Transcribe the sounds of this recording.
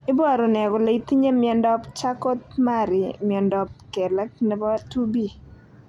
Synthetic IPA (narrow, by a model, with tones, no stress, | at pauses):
ɪ˦bɔ˦ɾɔ˨nɛ˨ɡɔ˨le˦i˦t̪i˦ɲe˦mɪ˦ɛ˦ndɔ˦pt͡ʃa˦kɔ˦t̪̚ma˦˨ɾɪ˨mɪ˨ɔ˨ndɔ˦p̚kɛ˨lɛ˦k̚nɛ˨˦bɔ˦tu˦bi˦˨